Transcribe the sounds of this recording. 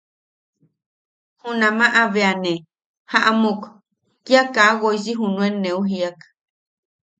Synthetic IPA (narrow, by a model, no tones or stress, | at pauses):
hunãmãʔaβeane | haʔamuk | kiakaɣoisiɦunũenẽuɦiak